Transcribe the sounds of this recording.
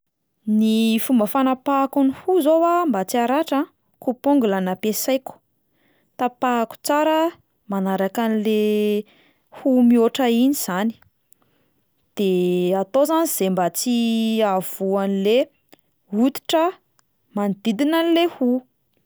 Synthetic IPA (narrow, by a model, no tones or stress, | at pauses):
nifumbəfanapakunihuzowambat͡siaɾaʈ͡ʂa | kupoŋɡulanapesajkʲu̥ | t̪apaaku̥t͡saɾə | manaɾakanile | humioʈ͡ʂəiniz̥ani̥ | d̪̥eat̪ozaniz̥embat͡siav̥uanile | ut̪i̥ʈ͡ʂə | manid̪̥id̪inanilehu